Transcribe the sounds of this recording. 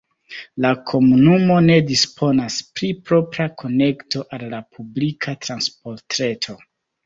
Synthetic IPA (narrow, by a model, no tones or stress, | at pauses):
lakʰo̞munumo̞ne̞dispʰo̞naspɾipɾo̞pɾakʰo̞ne̞kto̞ʔalːapublikʰatɾansp̚o̞ɾtɾe̞tʰo̞